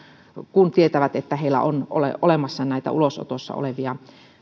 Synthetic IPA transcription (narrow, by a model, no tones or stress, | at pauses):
kunt̪iet̪æʋæt̪et̪ːæheilːæ̰ʔonʔo̰lḛʔolemɑsːɑnæit̪æ̰ʔuloso̰t̪osːɑ̰o̰leʋiɑ